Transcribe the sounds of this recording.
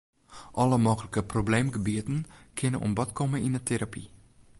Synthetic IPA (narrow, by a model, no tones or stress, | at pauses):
ʔɔləmoːxələkəprobleːmɡəbiətənkʰɪnənʔɔ̰mbɔtkʰoməinətʰeɾʔapʰi